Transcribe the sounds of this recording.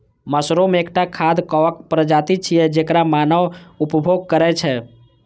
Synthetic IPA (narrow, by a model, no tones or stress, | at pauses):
məsɾomeekʈakʰad̪ʱkəʋəkpɾəd͡ʒat̪it͡ʃʰijɛd͡ʒekɾamanəʋupəbʱoɡ̚kəɾɛt͡ʃʰɛ